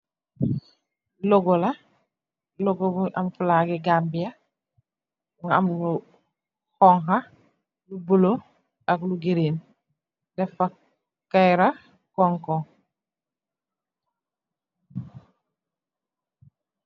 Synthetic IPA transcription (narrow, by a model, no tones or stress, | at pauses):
loɡola | loɡobuʔamfulaɡeɡaːmbija | ŋa̰mlu | hɔŋɦa | lubolo | akluɡeɾiːn | defa | kːajɾa | koŋko